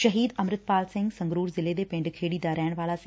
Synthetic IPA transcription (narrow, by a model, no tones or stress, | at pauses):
ʃəɦiːd̪əmɾɪt̪̚paːlsɪ̃ŋɡsə̃ŋɡɾuːɾzɪled̪eːpɪ̃ɳɖkʰeːɽid̪aːɾɛːɽ̃ʋaːlaːsɪ̃